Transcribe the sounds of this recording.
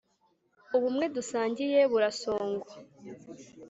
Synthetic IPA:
uβumŋe̞dusaːɲɟije̞βuɾaso̞ːŋɡwa

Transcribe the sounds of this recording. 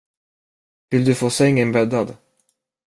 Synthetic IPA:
vɪld̪ɵfoːsɛŋːənbœd̪ːad̪

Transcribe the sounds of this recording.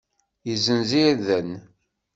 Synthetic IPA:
jizənziɾðən

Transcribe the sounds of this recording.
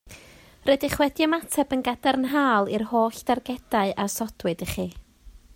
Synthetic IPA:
rɛdɪχwɛdiəmatʰɛbənɡadɛrnɦaːlˠɪrhoːɬd̥arɡɛd̥aɨʔasɔd̥wɨdəχiː

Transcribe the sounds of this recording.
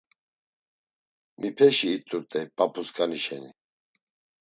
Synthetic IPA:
mipʰɛʃiːt̪ʼuɾt̪ʼɛbapʰuskʰʼaniʃɛni

